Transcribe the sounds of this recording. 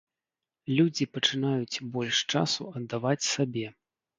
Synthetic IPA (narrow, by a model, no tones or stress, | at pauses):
lʲud͡zʲipɐt͡ʂɨn̪ajut͡sʲbɔlʲʂt͡ʂa̰suɐd̪ːavat͡sʲsabʲɛ